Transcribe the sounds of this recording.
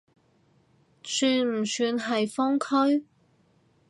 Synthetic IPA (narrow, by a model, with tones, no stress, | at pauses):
syː˧nm̩˨˩syː˧nɦɐ˨jfɔː˥ŋkʰɵ˥ɥ